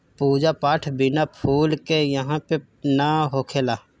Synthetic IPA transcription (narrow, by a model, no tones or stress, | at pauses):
puːd͡ʒapaːʈʰbɪnapʰuːlkejəɦãpe | naɦoːkʰeːlaː